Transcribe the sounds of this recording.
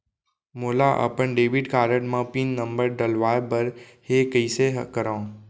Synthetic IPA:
moːlaʔə̰pəɳɖeːʋiɖkaːɾəʈmãːpiːnːəmbəɾɖəlʋaːbəɾheːkəisekəɾãː

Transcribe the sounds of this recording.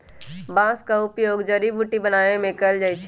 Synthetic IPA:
bãskaupjoːɡd͡ʒəɾibuʈibənaemẽkəld͡ʒajt͡ʃʰ

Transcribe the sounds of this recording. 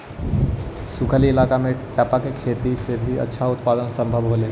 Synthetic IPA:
sʊkʰəliɪlaːkamẽʈəpakekʰeːt̪isebʱiɐ̰tːʃʰaʊt̪paːd̪ənsə̃mbʱəbɦoːle

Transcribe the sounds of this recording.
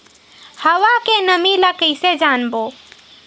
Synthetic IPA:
həʋakenəmiləkəjsed͡ʒanbo

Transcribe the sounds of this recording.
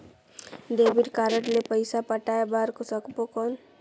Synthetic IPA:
d̪ebiʈkaɾəʈlepəɪsapəʈaebaɾkosəkpokɔn

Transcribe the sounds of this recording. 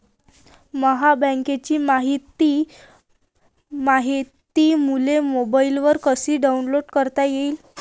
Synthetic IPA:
məɦabə̃ŋket͡ɕiːmaɦit̪i | maɦit̪iːmulemobailʋəɾkəsiːɖaunloɽkəɾt̪ajeiːl

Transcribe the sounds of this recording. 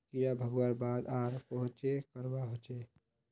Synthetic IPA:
kijabʱəɡwaɾbaːd̪aːɾpəɦʊ̃t͡ʃekəɾbaɦot͡ʃe

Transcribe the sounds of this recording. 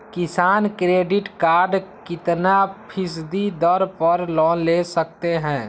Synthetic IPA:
kɪsaːnkɾeːɖɪʈkaːɾɖkɪt̪napʰɪs̬d̪id̪ɔɾpəɾlɔːnleːsək̚t̪eɦɛ̃ː

